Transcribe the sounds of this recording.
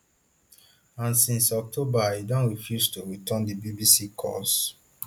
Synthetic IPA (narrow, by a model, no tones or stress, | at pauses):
ãnsĩnsɔk̚tʰobaidɔ̃nɹifjustuɹitʰəndibibisikʰɔ̰s